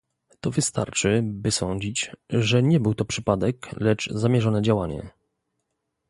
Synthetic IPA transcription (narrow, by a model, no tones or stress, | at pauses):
t̪ɔvɘst̪a̰ɾt͡ʂɘbɘsɔɲd͡ʑit͡ɕʐɛɲɛbɘwt̪ɔpʂɘpad̪ɛklɛd͡ʐzamʲjɛʐɔnɛd͡ʑawaɲɛ̰